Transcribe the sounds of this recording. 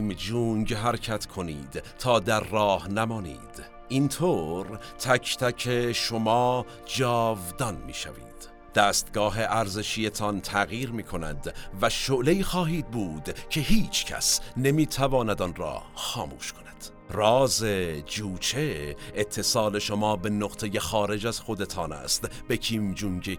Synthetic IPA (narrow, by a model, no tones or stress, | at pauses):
md͡ʒuːŋɟɦæɾcʰæt̪kʰo̞niːd̪t̪ʰɒːd̪æɾːɒːhnæmɒːnḭːd̪̥ | ʔint̪ʰoːɾ | t̪ʰækʰt̪ʰækʰeʃomɒː | d͡ʒɒːvd̪ɒnmḭːʃæ̰vḭːd̪̥ | d̪̥æːst̪ɡɒːɦe̞ʔæɾze̞ʃije̞t̪ʰɒnt̪ʰæɣjiːɾmiːkʰo̞næ̰d̪væʃoʔleiːxɒːɦiːd̪̚buːd̪cʰe̞ɦiːt͡ʃʰcʰæ̰sne̞miːt̪ʰævɒːnæd̪ɒnɾɒ̰ːxɒːmṵːʃkʰo̞næ̥d̪̥ | rɒːze̞d͡ʒuːt͡ʃʰeet̪ʰːe̞sɑːle̞ʃo̞mɒːbe̞noqt̪ʰe̞je̞xɒːɾe̞d͡ʒæz̥xo̞d̪e̞t̪ʰɒːnæ̰ːst̪b̥e̞kʰiːmd͡ʒuŋɟe